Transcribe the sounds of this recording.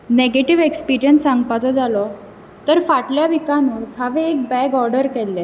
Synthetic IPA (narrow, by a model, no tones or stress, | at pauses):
neɡeʈiʋekspiɾijənsaŋɡpat͡sɔd͡zalɔ | t̪əɾfaʈljaʋikanushaʋeːk̚bɛɡɔɾɖəɾkɛlːɛ